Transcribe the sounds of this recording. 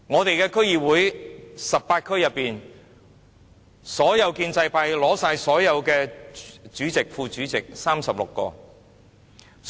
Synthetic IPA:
ŋɔː˨˧t̪e˨jkɛː˧kʰɵ˥ɥjiː˨wuː˨˥jsɐ˨p̚paː˧t̚kʰɵ˥ɥjɐ˨pːiː˨n | sɔː˨˥jɐ˨˧wkiː˧nt͡sɐ˧jpaː˧jlɔː˨˥saː˧jsɔː˨˥jɐ˨˧wkɛː˧t͡ʃyː˨˥t͡sɪ˨k̚fuː˧t͡ʃyː˨˥t͡sɪ˨k̚saː˥msɐ˨p̚lʊ˨kːɔ̰ː˧

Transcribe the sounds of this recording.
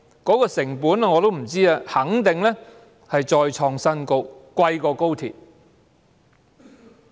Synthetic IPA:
kɔː˨˥kɔː˧sɪ˨˩ŋpuː˨˥naː˧ŋɔː˨˧t̪o˥wm̩˨˩t͡siː˥aː˧hɐ˨˥ŋt̪ɪ˨ŋlɛ˥ | hɐ˨jt͡ʃɔː˨jt͡ʃʰɔː˧ŋsɐ˥nko˧wkʷɐ˧jkɔː˧ko˥wt̪ʰḭː˨˩t̚

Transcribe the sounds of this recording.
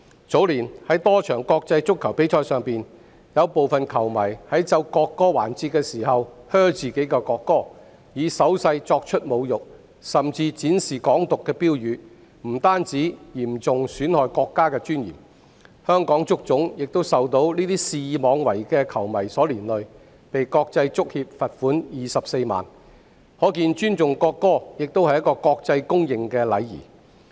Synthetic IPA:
t͡so˨˥wliː˨˩nhɐ˨˥jt̪ɔː˥t͡ʃʰœː˨˩ŋkɔː˧k̚t͡sɐ˧jt͡sʊ˥kʰːɐ˨˩wpe˨˥jt͡ʃʰɔː˧jsœː˨˧ŋpiː˨n | jɐ˨˧wpo˨wfɐ˨nkʰɐ˨˩wmɐ˨˩jhɐ˨˥jt͡sɐ˧wkɔː˧kːɔː˥waː˨˩nt͡siː˧t̚kɛː˧siː˨˩hɐ˨whœː˥wt͡siː˨˩ke˨˥jkɛ˧kɔː˧kːɔː˥ | jiː˨˧sɐ˨˥wsɐ˧jt͡sɔː˧k̚t͡ʃʰɵ˥t̚mo˨˧wjʊ˨k̚ | sɐ˨mt͡siː˧t͡siː˨˥nsiː˨˩kɔː˨˥ŋt̪ʊ˨kːɛː˧piː˥wjyː˨˧ | m̩˨˩t̪aː˥nt͡siː˨˥jiː˨˩mt͡sʊ˨ŋsyː˨˥nhɔː˨jkɔː˧kːaː˥kɛː˧t͡ʃyː˥njḭ˨˩m | hœː˥ŋkɔː˨˥ŋt͡sʊ˥k̚t͡sʊ˨˥ŋjɪ˨k̚t̪o˥wsɐ˨wt̪o˧˥wliː˥t̪iː˥siː˧˨mɔː˨˧ŋwɐ˨˩jkɛː˧kʰɐ˨˩wmɐ˨˩jsɔː˨˥liː˨˩nlɵ˨ɥ | pe˨jkɔː˧k̚t͡sɐ˧jt͡sʊ˥k̚hiː˧p̚fɐ˨t̚fuː˨˥njiː˨˩sɐ˨p̚se˧jma̰ː˨n | hɔː˨˥kiː˧nt͡ʃyː˥nt͡sʊ˨ŋkɔː˧kːɔː˥jɪ˨k̚t̪o˥whɐ˨jːɐ˥t̚kːɔː˧kɔː˧k̚t͡sɐ˧jkʊ˥ŋjɪ˨ŋkɛː˧lɐ̰˨˧jjḭː˨˩

